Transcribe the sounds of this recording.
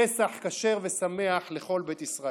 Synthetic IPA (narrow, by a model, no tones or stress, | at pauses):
esaħkaʃe̞ʁve̞sameaħle̞χo̞lbet̪isʁa